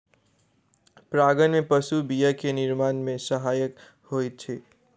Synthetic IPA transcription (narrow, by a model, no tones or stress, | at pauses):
pɾaːɡənmẽpəsubijəkenɪɾmaːnmẽsəɦaːjək | hoːitt͡ʃʰeː